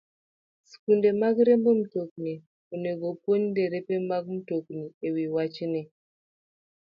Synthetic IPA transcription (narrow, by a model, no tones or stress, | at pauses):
si̥kundɛmakɾɛmbɔm̩tokune | uneɡopoɲindɛɾɛpɛmakm̩tokuniewiwat͡ʃinɛ